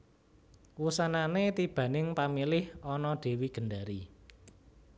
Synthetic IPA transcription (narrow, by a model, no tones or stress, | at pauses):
wusananet̪ib̥ä̤nɪŋpamilɪhɔnɔɖ̥e̤wiɡ̥ə̤ɳɖaɾi